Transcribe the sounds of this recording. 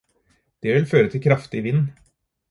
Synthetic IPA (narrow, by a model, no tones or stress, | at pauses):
d̪̥ɛʋɪlføːɾət̪ʰɪlkʰɾɑft̪ɪʋɪnː